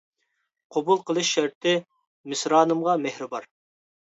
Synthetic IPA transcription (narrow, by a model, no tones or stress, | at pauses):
qʰobulˠqəlˠɨʃːæɾt̪ʰɪ | mɪsɾɑːnɨmʁɑmɛhɾɪbɑɾ